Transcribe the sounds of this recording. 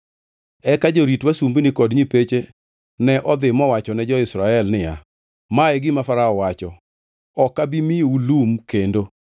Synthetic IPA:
ɛkad͡ʒoɾitwasumbnɪkɔdɲipet͡ʃe | nɛʔɔd̪ɪmɔwat͡ʃɔnɛd͡ʒɔɪsɾaɛlnɪja̰ | maɛɡɪmafaɾaɔwat͡ʃɔ | ɔkabimijoulumkendo

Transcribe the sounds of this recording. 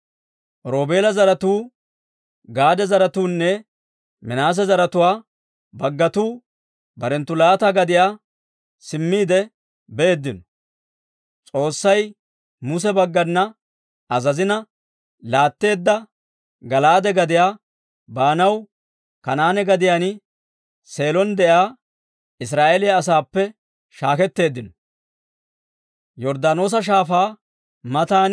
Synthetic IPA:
ɾo̞ːbeːlɐzɐɾɐt̪uː | ɡaːd̪ɛzɐɾɐt̪uːnːɛ | mɪnaːs̬ɛzɐɾɐt̪ʊwaː | bɐɡːɐt̪uː | bɐɾɛnt̪ːʊlaːt̪ɐɡɐd̪ɪjaː | sɪmːiːd̪ɛ | beeːd̪ːɪnɔ̥ | t͡sʼo̞ːsːɐj | mʊs̬ɛbɐɡːɐnːɐ | ɐzɐzɪnɐ | laːt̪ːe̞ːd̪ːɐ | ɡɐlaːd̪ɛɡɐd̪ɪjaː | baːnɐw | kɐnaːnɛɡɐd̪ɪjaːnɪ | se̞ːlɔnd̪ɛʔaː | ɪs̬ɾaːʔelɪjɐːs̬aːpːɛ | ʃaːkɛt̪ːe̞ːd̪ːɪnɔ | jɔɾd̪aːno̞ːs̬ɐʃ̬aːfaː | mɐt̪aːn

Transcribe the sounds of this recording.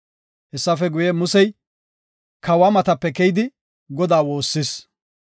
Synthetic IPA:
hɛsːɐfɛɡʊjɛmʊsɛj | kɐwɐmɐt̪ɐpːɛkɛjɪd̪ɪ | ɡɔd̪aːwo̞ːsːɪs

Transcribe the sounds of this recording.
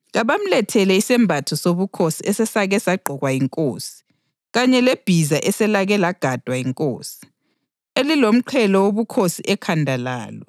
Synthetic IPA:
ɣaβam̩lɛtʰɛlɛisɛmbʱatʰɔsoβukʰosiɛsɛsaɣɛsaɡ͡ǃʱɔɣwajiŋkʼoːsi̥ | ɣaɲɛleb̥ʱizaʔɛsɛlaɣɛlaɡ̥ʱad̥ʱwajiŋkʼoːsi̥ | elilom̩ǃʰɛlɔwoβukʰosiʔɛkʰandʱala̰ːlɔ

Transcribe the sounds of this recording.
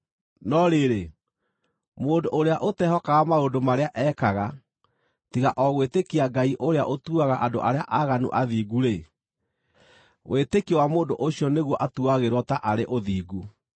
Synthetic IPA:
nɔɾeɾe | moːndoʔoɾeaʔotɛɦɔkaɣamaoːdomaɾeaʔɛːkaɣa | tiɣaʔɔɣwetekiaɡaiʔoɾeaʔotuaɣaʔando̰ʔaɾeaʔaɣanṵʔaðiːɡuɾe | wʔetekiwamoːndoʔoɕiɔneɣwɔʔatuaɣeɾɔtaʔaɾeʔoðiːɡu

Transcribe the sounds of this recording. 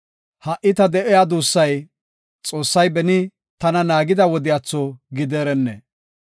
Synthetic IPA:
hɐʔɪt̪ɐd̪ɛʔɛjad̪uːsːɐj | t͡sʼo̞ːsːɐjbɛnɪ | t̪ɐnɐnaːɡɪd̪ɐwɔd̪ɪjat͡sːɔɡɪd̪eːɾɛnːɛ̰

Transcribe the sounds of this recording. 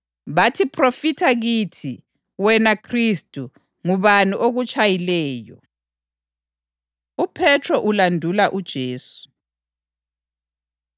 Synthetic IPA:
βatʰipʰrofitʰaɣitʰi | wɛnakʰristʼu | ŋuβaniʔoɣut͡ʃʼajilɛːjɔ̰ | upʰɛtʰrɔʔulandʱulaʔud̥ʒ̥ʱeːsu̥

